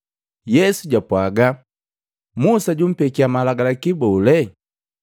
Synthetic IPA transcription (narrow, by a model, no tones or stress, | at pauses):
jɛsuɟapwaɡa | musaɟum̩pɛkiamalaɡalakibɔlɛ